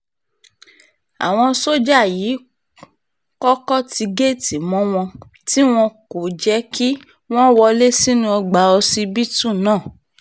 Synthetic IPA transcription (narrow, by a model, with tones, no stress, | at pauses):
a̰˨w̃ɔ̃˧so˦d͡ʒa˦˨jiː˨˦ | kɔ˦kɔ˦ti˧ɡe˦˨ti˨mɔ̃˦w̃ɔ̃˧ | ti˦w̃ɔ̃˧ko˨d͡ʒɛ˨˦ki˦ | w̃ɔ̃˦wɔ˧le˦si˦nũ˦ɔ˧ɡ͡ba˨˦ɔ˧si˧bi˦tu˦˨nãː˦˨